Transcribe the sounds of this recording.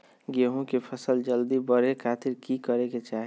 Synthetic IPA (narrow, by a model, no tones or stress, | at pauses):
ɡeɦõkepʰəsəld͡ʒəld̪ibəɾekʰaːt̪ɪɾkikəɾeket͡ʃaːɦe